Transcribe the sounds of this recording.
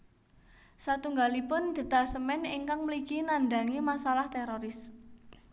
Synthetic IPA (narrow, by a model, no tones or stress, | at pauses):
sat̪uŋɡalipʊnd̪̥ə̤t̪asəmɛniŋkaŋməlikinanɖ̪a̤ŋimasalaht̪eɾoɾɪs